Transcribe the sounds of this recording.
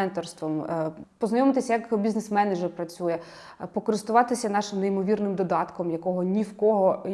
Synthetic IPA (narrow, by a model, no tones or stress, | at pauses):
ɛnt̪ɔrst̪ʋɔmpɔznɐjɔmɪt̪ɪsʲjɐkbʲiznesmɛnɛʒɛrpɾɐt͡sʲujɛ | pɔkɔɾɪst̪ʊʋɑt̪ɪsʲɐnɑʃɪmneimɔʋʲirnɪmd̪ɔd̪ɑt̪kɔmjɐkɔɦɔnʲiwkɔɦɔ